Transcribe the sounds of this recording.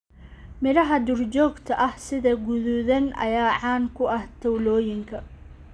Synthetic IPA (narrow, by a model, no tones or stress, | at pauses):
mɪɾɐɦɐd̪ʊrt͡ʃɔːɡt̪ʰɐʔɐhsɪðɐɡʊðuðɐnʔɐ̰jaːʕɑːŋkʰʊʔɐht̪ʰɐwlɔːjɪŋkʰɐ